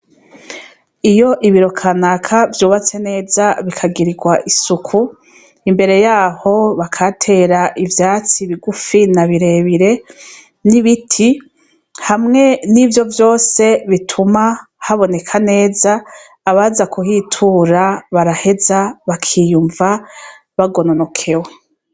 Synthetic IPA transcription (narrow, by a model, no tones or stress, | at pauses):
ijo̞ʔiβiɾo̞kʰanakʰavjoːβat͡se̞ne̞ːzaβikʰaɡiɾiɡwaʔisukʰu | imbe̞ɾe̞jaːho̞βakʰatʰe̞ɾaʔivjaːt͡siβiɡufinaβiɾe̞ːβiɾe̞ | niβitʰi | hamŋe̞nivjo̞vjo̞ːse̞βitʰumahaβo̞ne̞kʰane̞ːzaː | βazakuhiːtʰuɾaβaɾahe̞zaβakʰiːjuɱva | βaɡo̞nono̞kʰe̞we